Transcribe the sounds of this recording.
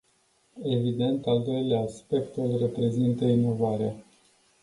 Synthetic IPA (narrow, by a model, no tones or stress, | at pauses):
e̞vid̪e̞nt̪ald̪o̞jleaːspe̞kt̪ɨlʲre̞pɾe̞zint̪əino̞vaɾea